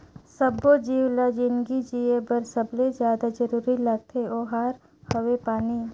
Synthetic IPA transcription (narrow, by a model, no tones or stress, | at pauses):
səbod͡ʒiːwlad͡ʒɪnɡid͡ʒiːebəɾsəblezjaːd̪ad͡ʒəɾuːɾilɐɡ̚t̪ʰeʔoːɦaːɾ | hɐwepaːniː